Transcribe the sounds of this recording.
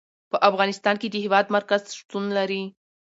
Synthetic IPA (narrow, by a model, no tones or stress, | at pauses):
pəʔafɣɑnɪst̪ɑnked̪əhɪwɑd̪maɾkazʃt̪unlaɾi